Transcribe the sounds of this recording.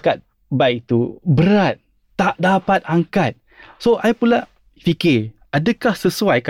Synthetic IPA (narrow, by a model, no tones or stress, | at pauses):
kat̪̚ | baɪk̚t̪ubəɾat̪̚ | t̪ːaʔdapat̪̚aŋkat̪̚ | soʔajpula | fikɪʔadəkahsəsuajka